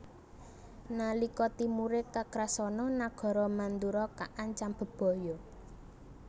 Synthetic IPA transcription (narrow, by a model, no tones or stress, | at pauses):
nalikɔt̪imuɾekakɾasɔnɔnaɡ̥ɔ̤ɾɔmand̪uɾɔkaʔaɲt͡ʃamb̥ə̤b̥ɔ̤jɔ